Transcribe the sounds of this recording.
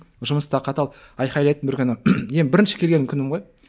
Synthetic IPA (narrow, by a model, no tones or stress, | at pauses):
ʒʊməst̪ɑqʰɑt̪ɑlˠ | ɑjχɑjlˠɑjt̪ənbɪɾkʲɪnɪjenbɪɾɪnʃɪ̥kʲʰe̞lɡʲenɪŋkʲʰʏnɪmʁoj